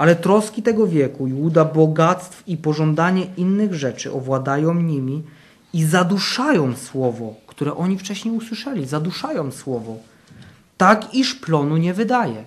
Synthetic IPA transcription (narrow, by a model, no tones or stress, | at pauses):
ʔalɛt̪ɾɔskʲit̪ɛɡɔvʲjɛkujud̪abɔɡat̪st̪fipɔʐɔnd̪aɲɛʔinːɘɣʐɛt͡ʂɘ̰ʔɔvwad̪ajɔ̃w̃ɲimʲi | izad̪uʂajɔ̃w̃swɔvɔkt̪uɾɛʔɔɲift͡ʂɛɕɲejuswɘʂɛlʲizad̪uʂajɔ̃w̃swɔvɔ | t̪akiʂplɔnuɲɛvɘd̪ajɛ